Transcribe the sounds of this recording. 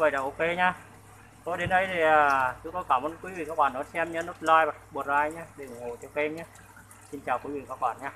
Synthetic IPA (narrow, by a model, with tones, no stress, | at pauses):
və̰˧˨jɗaː˨˩ʔo˧ke˧ɲaː˧ | t̪o˧˦jɗe˨˦nɗə˨˦jt̪ʰi˨˩əː˨˩t͡ɕʊ˨˦ŋ͡mkɔ˧˦jkaː˧˩mʔə˧˦nkwi˨˦vḭ˨˧˨kaː˦˥k̚ɓaː˧˩nːɔ˨˦jsɛ˧mɲɨ˧˦no˦˥t̚laː˧jvaː˨˩˦ɓu˨˩t̚zaː˧˨˧jɲaː˧ɗe˨˩˨ho˨˩t͡ɕɔ˧ke˧ɲaː˧ | si˧nt͡ɕaː˨˩wkwi˨˦vḭ˧˨˩ka˦˥k̚ɓaː˧˩nɲaː˧